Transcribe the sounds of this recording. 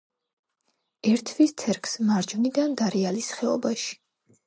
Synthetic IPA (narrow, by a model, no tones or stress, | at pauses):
ɛɾt̪ʰwist̪sʰɛɾkʰsmaɾd͡ʒvnid̪and̪aɾɛalisχɛɔ̰baʃi̥